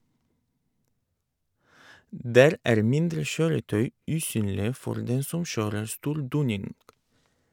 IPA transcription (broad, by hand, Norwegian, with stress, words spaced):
ˈdæːɾ ˈæːɾ ˈmɪndɾə ˈʃøːɾəˌtœʏ ˈʉːˌsyːnlɪə ˈfɔɾ ˈdɛn ˈsɔm ˈʃøːɾəɾ ˈstuːɾ ˈduːnɪnɡ